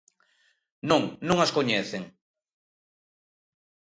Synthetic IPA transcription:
nõŋnõŋaskoɲeθeŋ

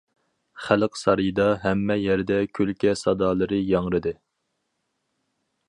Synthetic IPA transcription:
χæləqsɑɾɨjd̪ɑɦɛmːɛjɛɾd̪ɛkʲʰølkʲʰɛsɑd̪ɑːlˠɨɾɨjɑŋɾɨd̪ɨ

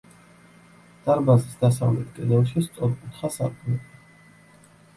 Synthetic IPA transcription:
d̪̥aɾbazisd̪asa̰vlɛt̪̚ʰkʼid̪ɛlʃist̪sʼɔɾkʼut̪ʰχasa̰ɾkʼnɛba

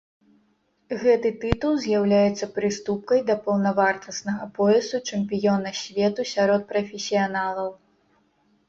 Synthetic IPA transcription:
ɣɛt̪ɨt̪ɨt̪ulˠzʲjawlʲajɛt̪sːɐpɾɨst̪up̚kɐjd̪ɐpɐwnɐvart̪ɐsnɐɣɐpɔjɛsut͡ʂɛmpʲijɔnɐsʲvʲɛt̪usʲaɾɔt̪̚pɾɐfʲesʲijanalˠɐw

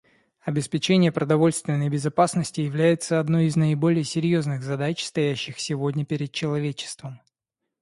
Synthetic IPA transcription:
ɐbʲɪspʲɪt͡ɕenʲɪjəpɾəd̪ɐvo̞lʲst̪vʲɪnːəjbʲɪzɐpasnəsʲtʲɪjɪvlʲæjɪt̪səɐd̪no̞jɪznəɪbo̞lʲɪjəsʲɪɾʲjo̞znɨɣzɐd̪at͡ɕst̪ɐjæɕːɪxsʲɪvo̞dʲnʲəpʲɪɾʲɪd̪̚t͡ɕɪlˠɐvʲet͡ɕɪ̥st̪vəm

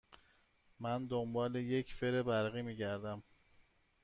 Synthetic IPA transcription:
mænd̪ombɒːle̞je̞cʰfeɾebæɾɣiːmiːɟæɾd̪æm

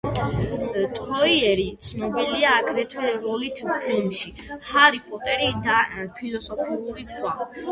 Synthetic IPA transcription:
t̪ʼɾɔiɛɾit̪sʰnɔbiliaːkʰɾɛt̪ʰwɛɾɔlit̪ʰpʰilmʃi | haɾipʼɔt̪ʼɛɾid̪apʰilɔsɔpʰiuɾikʰwa

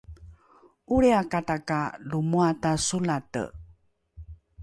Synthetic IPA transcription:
ʔuɾeakatakalumuatasulatə̰

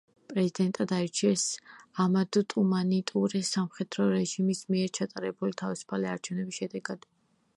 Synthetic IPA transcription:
pʼɾɛzid̪ɛnt̪ʼad̪aiɾt͡ʃʰiɛsamad̪ɔt̪ʼumanit̪ʼuɾɛsamχɛd̪̥ɾɔɾɛʒimismiɛɾt͡ʃʰat̪ʼaɾɛbulit̪ʰavisu̥pʰaliaɾt͡ʃʰɛvnɛbisʃɛd̪ɛɡad̪̥

